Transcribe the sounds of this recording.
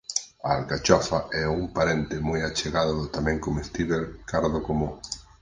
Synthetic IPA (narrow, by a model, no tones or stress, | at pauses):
aalkat͡ʃɔfaɛuŋpaɾent̪ɪmɔjat͡ʃeɣaðʊðʊt̪amɛ̃ŋkomest̪iβeɾkaɾðʊkomo